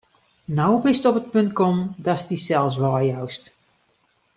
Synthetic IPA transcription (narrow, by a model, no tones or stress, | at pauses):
nawbɪstɔpət̚pɵnt̚kɔmdɔstisɛlˠs̬ʋaːjawst